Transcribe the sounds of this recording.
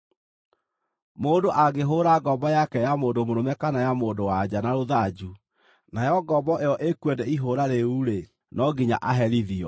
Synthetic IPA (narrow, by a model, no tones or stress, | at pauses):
moːndoʔaɡeɦoɾaɡɔbɔjakɛjamoːndomoɾomɛkanajamoːdowad͡ʑanaɾoðad͡ʑu | najɔɡɔbɔʔeɔʔekwɛdɛiɦoɾaɾeuːɾe | nɔɡiɲaʔaɦɛɾiðiɔ